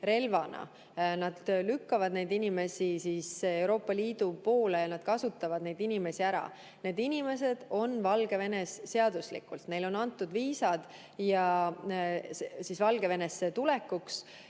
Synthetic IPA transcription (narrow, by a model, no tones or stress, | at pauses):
ɾe̞lvɑnɑ̰ | nɑd̪lykːɑvɑd̪ne̞jd̪inime̞sisiːsewɾo̞ːpˑːɑliːd̪̥upo̞ːlejɑnɑd̪̥kɑsut̪ːˑɑvɑd̪ne̞jd̪inime̞siæɾɑ̰ | ne̞ːd̪inʲime̞s̬e̞d̪̥o̞nvɑlɡ̥e̞ve̞nesːe̞ɑd̪̥uslḭkːˑult̪ne̞jlo̞nɑnt̪ːˑud̪viːsɑd̪̥ | jɑ | sesisvɑlɡ̥e̞ve̞ne̞sːet̪ule̞kːuks